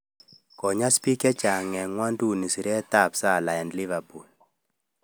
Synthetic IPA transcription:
kɔ˨ɲa˦spi˦kɛ˦t͡ʃa˨ŋɛ˨ŋwa˦ndu˦ni˨si˨ɾɛ˦ta˦˨psa˦˨la˨ɛ˨ndli˦va˨pu˨l

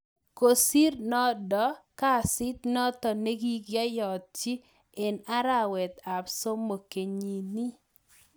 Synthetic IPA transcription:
ko˨si˦ɾnɔ˦dɔ˦ka˦˨sɪ˦t̪nɔ˦t̪ɔ˨ne˦ɡi˦ɡja˦jɔ˨t̚t͡ʃi˦ | e˨na˦ɾa˦wɛ˨t̪a˨pso˦mo˨ke˨ɲi˨ni˦

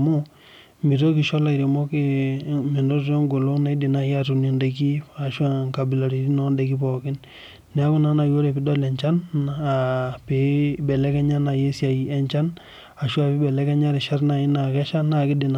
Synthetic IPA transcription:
mu˦ | mi˨to˦ki˨ʃɔ˦la˨i˨ɾi˨mo˦ke˦me˨ndo˦tɾɔ˦ŋɡo˨lo˦na˦di˨na˨ja˦tu˨ni˨nde˨ki˦a˨ʃwa˦ŋka˨bi˨la˨ɾi˨ɾi˦nɔ˦nde˨ki˦pɔ˨kɪ˦nː | ɛ˨˦ku˦na˦na˨jo˦ɾe˨pi˦dɔ˦lɛ˨ɲt͡ʃa˦na˨pe˨bɛ˨lɛ˦kɛ˦ɲa˦na˨je˦sja˨i˨ɛ˨nt͡ʃa˦n | a˨ʃwa˦˨pi˦bɛ˨lɛ˦kɛ˦ɲa˦ɾi˨ʃa˦ɾna˨i˦na˨kɛ˦ʃa˦na˨kɪ˦di˨n

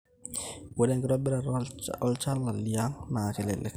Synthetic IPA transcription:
wɛ˦dɛ˦ŋɡɪ˦ɾɔ˦bɪ˦ɾa˨ɔ˦lt͡ʃa˦lːa˨li˨a˦ŋna˨kɛ˨lɛ̰˨lɛ̰˨k

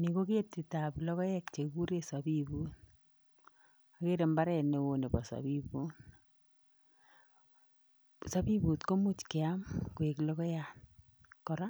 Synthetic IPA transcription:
ni˨ko˦ke˦ti˨ta˨blɔ˦ɣɔ˦jɛ˦kt͡ʃe˨ku˦ɾe˦sa˨bibu˦n | a˨ke˦ɾe˨mba˦ɾɛ˨ne˨wo˦ne˨bɔ˨sa̰˨bi˦bu˦n | sa˦bi˦bu˨tko˦mu˦t͡ʃkɪ˨a˦mkwe˨klɔ˦kɔ˦ja˨t | kɔ˨ɾa˦

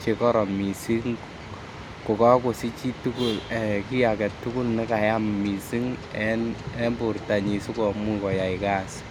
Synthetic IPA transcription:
t͡ʃe˨kɔ˦ɾɔ˨mi˨si˦ŋ | ko˨ka˦ko˨si˦t͡ʃi˦tu˦ku˦lɛ˨ki˦ja˨kɛ˨tːu˦ku˦lnɛ˦ka˨ja˦mmi˨si˦ŋɛ˦nɛ˦mbu˨ɾta˨ɲi˨su˦kɔ˨mu˦kɔ˨ja˨ika˦˨s

